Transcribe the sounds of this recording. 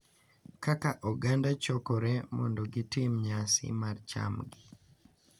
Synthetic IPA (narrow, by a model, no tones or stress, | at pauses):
kakaʔɔɡandat͡ʃɔkɔɾɛmɔ̰ndɔɡitɪmɲasɪ̰mart͡ʃa̰mɡi